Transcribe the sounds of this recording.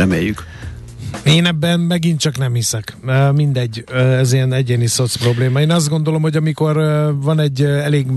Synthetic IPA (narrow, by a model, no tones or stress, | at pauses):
ɛmḛːjːyk | eːnɛbːɛnmɛɡint̪t͡ʃɒknɛmhisɛkøːmind̪ɛɟːøɛziɛnɛɟeːniso̞t̪spro̞bleːmɒeːnɒzd̪ɡo̞nd̪o̞lo̞mhoɟɒmiko̞rvɒnɛɟːɛleːɡ